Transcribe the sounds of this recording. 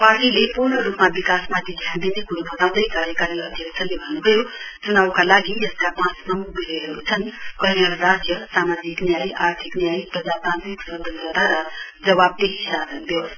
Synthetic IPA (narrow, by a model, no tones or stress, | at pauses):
paɾʈilepurnʌɾupmabikasmat̪id̪ʱjãnd̪inekuɾbʱʌt̪aw̃d̪ʌjkaɾjəkaɾiʌd̪ʱjʌksʰalebʱʌnːubʱʌjot͡sunawkalaɡieskapãsmamubʱiɾeɦeɾut͡sʰʌnkʌɦinʌlrad͡zjʌsamad͡ziknjajʔaɾt̪ʰiknjajiprʌd͡zat̪ãnt̪ikʌnd̪əɡʌt̪aɾʌd͡zʌβab̚t̪eɦisasənb̪jes